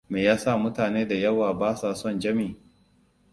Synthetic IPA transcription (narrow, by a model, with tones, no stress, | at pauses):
meː˨jaː˦sa˦˨mʊ˦taː˨neː˦da˨jɐ˦waː˨baː˦saː˨sɔ˦˨nd͡ʒɐ˦miː˨